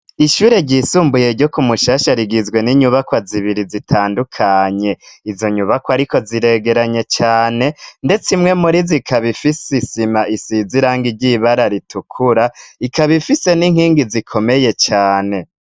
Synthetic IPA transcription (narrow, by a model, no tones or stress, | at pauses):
iʃuːɾe̞ɟiːsuːmbuje̞ɾɟo̞kumuʃaʃaɾiɡizɡwe̞niɲuβakwaziβiɾizitʰaːndukʰaɲe̞izo̞ɲuβakwaɾiko̞ziɾe̞ɡe̞ɾaɲe̞t͡ʃaːne̞nde̞t͡simŋe̞muɾizikʰaβifisisimaʔisiziɾaːŋɡiɾɟiβaɾaɾitukʰuɾaikaβifise̞niŋ̥hiːŋɡizikʰo̞me̞je̞t͡ʃaːne̞